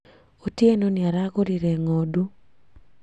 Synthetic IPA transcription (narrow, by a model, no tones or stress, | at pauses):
otjenoniaɾaɡoɾiɾeŋodu